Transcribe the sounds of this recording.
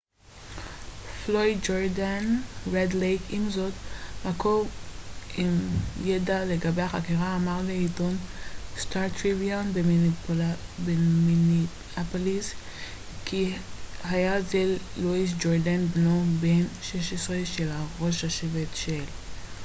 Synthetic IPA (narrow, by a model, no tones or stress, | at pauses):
floidd͡ʒoɾdanʁedlejkʰimzo̞t̪makov | imjedaleɡabe̞jhaχakiʁaːmaʁleito̞nst̪aʁt̪ʁibionblbemini | apolis | kihajazelːuis̬d͡ʒoɾdanbnobenʃeʃesʁeʃelaʁo̞ʃhaʃevetʃel